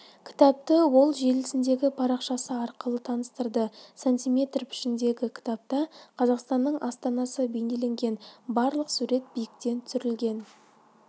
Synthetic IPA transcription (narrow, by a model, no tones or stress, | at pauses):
kʲʰɪ̥t̪ɑp̚t̪əwo̞lˠʒe̞lɪsɪnd̪e̞ɡʲɪpʰɑɾɑqʃɑsəɑɾqəlˠət̪ʰɑnəst̪əɾd̪əsanʲt̪ʲijmʲe̞t̪rpʰɪ̥ʃɪnd̪e̞ɡʲɪkʲʰɪ̥t̪ɑp̚t̪ɑqʰɑzɑqst̪ɑnːəɴʔɑst̪ɑnɑsəbe̞jne̞le̞ŋɡʲe̞nbɑɾlˠəqsuɾe̞t̪̚bijɪk̚t̪e̞nt̪ʰʏsʏɾɪlɡʲe̞n